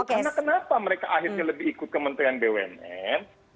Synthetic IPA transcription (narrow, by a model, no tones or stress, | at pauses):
okanakənapaməɾekaʔaɦɪrɲaləbɪhikʊt̪̚kəmənt̪ɾianbewɛ̰nɛn